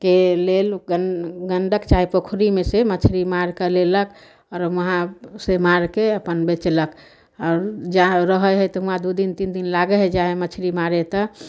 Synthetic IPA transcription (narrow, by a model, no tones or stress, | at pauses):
keleləɡəɳɖəkt͡ʃaɦipəkʰuɾimesemət͡ʃʰɾimaɾkəlelək | ɔːɾməɦãsemaɾkeəpənbet͡ʃlək | ɔɾd͡ʒaɾəɦəjɦəjt̪ɔɦũɦãd̪ud̪int̪ind̪inlaɡəɦɛd͡ʒaɦemət͡ʃʰɾimaɾet̪ɔ